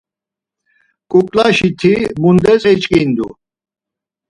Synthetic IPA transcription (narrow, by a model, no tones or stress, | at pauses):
kʼukʼlaʃit̪ʰimund̪ɛt͡sʼɛt͡ʃʼkʼind̪ṵ